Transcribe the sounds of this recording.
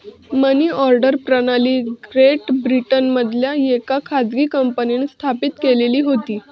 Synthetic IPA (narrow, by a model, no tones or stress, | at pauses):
məniːɔɾɖəɾpɾənaliːɡɾeʈbɾiʈənməd̪ʱljajekakʰad͡zɡiːkəmpəniːnst̪ʰapit̪keleliːɦot̪iː